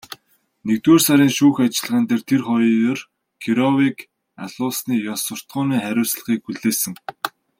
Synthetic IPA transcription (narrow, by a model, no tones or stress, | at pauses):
nekt̪weːrsaɾiːnʃuːxat͡ɕɪ̆ɮʁaːnt̪eːrt̪ʰerχɔjiːjʊr | kʰiɾɔwik | a̰ɮʊːsniːjɔsʊ̆r̥t̪ɢʊːniːχæɾʲʊːsɮə̥̆χiːk̚xuɮeːsɘ̆ŋ